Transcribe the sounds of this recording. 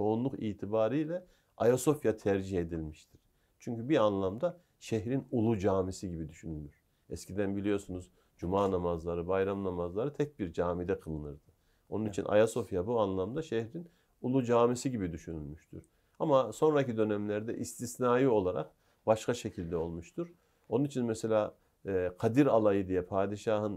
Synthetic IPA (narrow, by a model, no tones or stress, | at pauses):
t͡ʃʰo̞unlˠukḭːt̪ʰibaːɾijlʲɛ | ajaso̞fjat̪ʰæɾd͡ʒihe̞d̪ilʲmiʃt̪ʰiɾ̥ | t͡ʃʰyɲcybianlˠamd̪a | ʃɛɦɾinulˠud͡ʒaːmisiɟibid̪yʃynylʲmyɾ̥ | ɛscʰid̪ænbilʲijo̞ɾsunuz | d͡ʒumaːnamazlˠaɾɯbajɾamnamazlˠaɾɯt̪ʰɛc̚biɾd͡ʒaːmid̪ɛkʰɯlˠɯnɯɾd̪ɯ | o̞nunit͡ʃʰinʔa̰jaso̞fjabuanlˠamd̪aʃɛhɾin | ulˠud͡ʒaːmisiɟibid̪yʃynylʲmyʃt̪ʰy̰ɾ̥ | amaso̞nɾacid̪ø̞nɛmlʲæɾd̪ɛʔist̪ʰisnaːjɯo̞lˠaɾa̰q | baʃkʰaʃecʰilʲd̪ɛo̞lˠmuʃt̪ʰuɾ̥ | o̞nunit͡ʃʰinmɛse̞lʲaː | kʰad̪iɾalˠajɯd̪ijɛpʰaːd̪iʃaːɦɯn